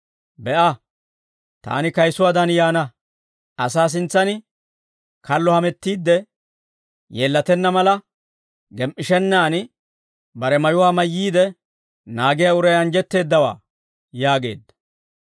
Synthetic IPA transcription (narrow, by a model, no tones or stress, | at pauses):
bɛʔɐ | t̪a̰ːnɪkɐjsʊwaːd̪ɐnjaːnɐ | ɐsaːs̬ɪnt͡sːɐnɪ | kɐlːɔhɐmɛt̪ːiːd̪ːɛ | jeːlːɐt̪ɛnːɐmɐlɐ | ɡɛmʔɪʃɛnːaːnɪ | bɐɾɛmɐjʊwaːmɐjːiːd̪ɛ | naːɡɪjɐʊɾɐjɐnd͡ʒɛt̪ːe̞ːd̪ːɐwa̰ː | jaːɡe̞̰ːd̪ːɐ̥